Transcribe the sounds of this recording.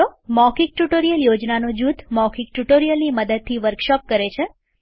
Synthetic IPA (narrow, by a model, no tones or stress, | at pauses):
omɔkik̚ʈuʈoɾijəljod͡ʒnanod͡ʒut̪mɔkʰik̚ʈuʈoɾijəlniməd̪əd̪̚t̪ʰiʋəɾkʃɔp̚kəɾet͡ʃʰe